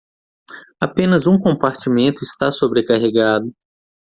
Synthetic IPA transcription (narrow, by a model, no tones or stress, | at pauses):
apẽnɐzũkõpaɾt͡ʃimẽnt̪ʊɪst̪asobɾekaɦeɡad̪ʊ